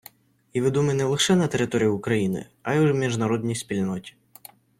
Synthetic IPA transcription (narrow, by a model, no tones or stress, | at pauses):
iʋɪd̪umɪnɛlˠɪxʃɛnɐt̪eɾɪt̪ɔɾʲijʊʊkɾɐjinɪ̰ɐjʊmʲiʒnɐɾɔd̪ʲnʲijsʲpʲilʲnɔtʲi̥